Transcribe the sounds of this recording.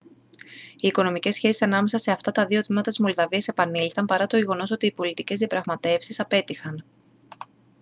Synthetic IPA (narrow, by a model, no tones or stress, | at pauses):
iːko̞no̞mice̞sçe̞sisɐnɐme̞sɐse̞ɐft̪ɐt̪ɐðiot̪mimɐt̪ɐsmo̞lðɐviɐsepɐnilθɐmpɐɾɐt̪oʝe̞ɣo̞no̞so̞t̪iːpo̞lit̪ice̞zðijɐpɾɐɣmɐt̪e̞fsisɐpe̞t̪ixɐn